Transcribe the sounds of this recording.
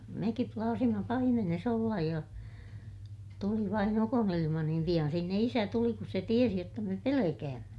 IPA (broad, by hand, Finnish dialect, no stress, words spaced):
mekip plɑːsimɑ pɑimenes olːɑj jɑ tuli ʋɑin ukonilimɑ niːm pij̆ɑn sinːe isæ tuli kus se tiesi jotːɑ me pelekæːmːæ